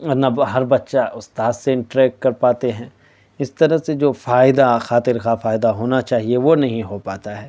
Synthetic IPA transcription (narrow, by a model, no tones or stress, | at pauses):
ɔɾnaɦɐɾbɐtːʃaʊst̪aːd̪seɪ̃ɳʈɾɛːkʈ̚kɐɾpaːt̪eɦɛ̃ː | ɪst̪ɐɾəɦsed͡ʒoːfaːɪd̪axaːt̪ɪɾxafaːɪd̪aɦoːnat͡ʃaːɦieʋonɐɦĩɦopaːt̪aɦɛː